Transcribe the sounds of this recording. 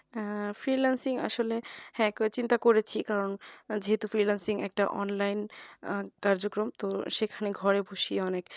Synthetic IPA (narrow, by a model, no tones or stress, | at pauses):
fɾilansiŋa̰ʃolehɛ̃kt͡ɕint̪akoɾet͡ɕʰikaɾond͡ʑeɦet̪ufɾilansiŋɛ̰k̚ʈaʔɔ̰nlajn | kaɾd͡ʑokɾomt̪oʃekʰaneɡʱɔɾebʱuʃieɔnek